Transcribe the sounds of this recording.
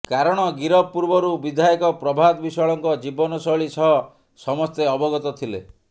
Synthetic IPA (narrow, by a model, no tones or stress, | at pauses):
kaɾɔɽ̃ɔɡiɾɔpːuɾbɔɾubid̪ʱajɔkɔpɾɔbʱad̪bisɔjɔɭɔŋkɔd͡ʒibɔnɔsɔɭisɔɦɔ | sɔmɔst̪eɔbɔɡɔt̪ɔt̪ʰilḛ